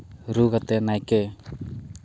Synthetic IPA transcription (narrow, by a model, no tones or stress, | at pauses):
ɾuɣat̪enajke